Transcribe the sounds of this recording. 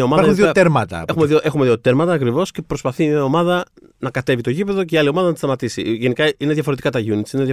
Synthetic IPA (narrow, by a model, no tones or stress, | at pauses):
ɐomɐðɐɾxuðiot̪eɾmɐt̪ɐ̰exumeðioʔexume̞ðio̞t̪eɾmɐt̪ɐːkɾivo̞sce̞pɾo̞spɐθimiɐo̞mɐðɐ | nɐkɐt̪e̞vit̪o̞ʝipe̞ðo̞ceiɐlio̞mɐðɐnt̪isɐmɐt̪isḭʝe̞nikɐine̞ðʝɐfo̞ɾe̞t̪ikɐt̪ɐʝunit̪sineðjɐ